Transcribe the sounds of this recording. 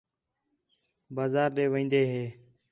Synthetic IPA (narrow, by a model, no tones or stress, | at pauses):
baːzaːɾɗeːʋĩːnd̪eːɦeː